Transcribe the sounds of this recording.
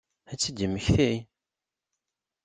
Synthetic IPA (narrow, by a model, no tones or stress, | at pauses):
æt͡sːid̪əmːəçθæj